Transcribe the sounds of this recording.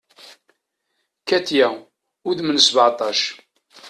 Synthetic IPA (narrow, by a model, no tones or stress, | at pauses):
kæt̪jæ | ʊðmənsəbʕt̪ˤɑʃ